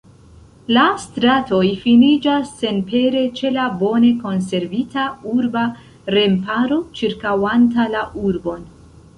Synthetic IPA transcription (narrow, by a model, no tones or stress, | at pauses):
lastɾato̞jfinid͡ʒasːe̞npe̞ɾe̞t͡ʃe̞labo̞ne̞ko̞ns̬e̞ɾvitauɾba | ɾe̞mpaɾo̞t͡ʃiɾkawantalaʔuɾbo̞n